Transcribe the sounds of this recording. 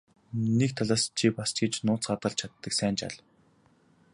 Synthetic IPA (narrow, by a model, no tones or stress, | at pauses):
nek̚t̪ʰaɮaːst͡ɕʰipast͡ɕɡĕt͡ɕnʊːt͡sɢat̪ə̆ɮt͡ɕʰat̪ːə̆ksæːnt͡ɕa̰ɮ